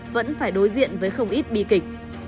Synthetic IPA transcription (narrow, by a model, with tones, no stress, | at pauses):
və̰˧˥nfaː˧˩jɗo˨˦jzḭ˧˨ənvəː˨˦jxə˧wŋ͡mʔi˦˥t̚ɓḭ˧˨kï˨˩k̟̚